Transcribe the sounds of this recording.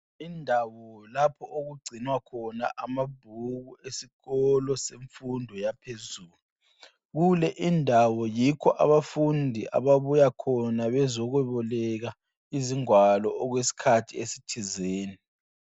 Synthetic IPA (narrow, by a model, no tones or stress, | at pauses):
indʱawɔlapʰɔʔoɣuɡ͡ǀʱinwakʰɔna̰ʔamab̥̚ʱuɣuesiɣɔlɔseɱfundʱɔjapʰezuːlu | ɣulɛʔindʱawɔjikʰɔʔa̰βafundʱiʔa̰βaβujakʰɔnaβɛzɔɣwɛβɔlɛɣa | iziŋwalɔːɣwesi̥kʰatʰiesi̥tʰizeːni